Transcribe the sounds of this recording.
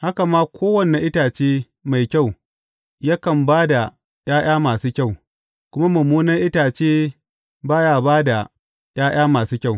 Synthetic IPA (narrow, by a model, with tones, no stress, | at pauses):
ha˦ka˨maː˦kʷʰoː˦wɐ˨nːe˨ʔɪ˦taː˨t͡ʃeː˦ | ma˨jkʲa˦˨w | ja˦kɐ˨mbaː˦da˨ | j̰aː˦j̰aː˦maː˨suː˦kʲa˦˨w | kʷʊ˦ma˦mʊ˨muː˦nɐ˦ʔɪ˦taː˨t͡ʃeː˦ | baː˦jaː˨baː˦da˨ | j̰ʔaː˦j̰aː˦maː˨suː˦kʲa˦˨w